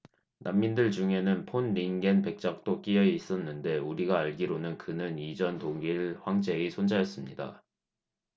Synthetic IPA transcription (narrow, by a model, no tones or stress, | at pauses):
namːindɯɭd͡ʑuŋe̞nɯnpʰonɾiŋɡe̞npe̞k̚t͡ɕ͈ak̚t͈ok͈ijʌiis͈ʌnːɯnde̞uɾiɡaːɭɡiɾonɯnkɯnɯnid͡ʑʌntoŋiɭɸwaŋd͡ʑe̞isʰond͡ʑajʌs͈ɯmɲida̰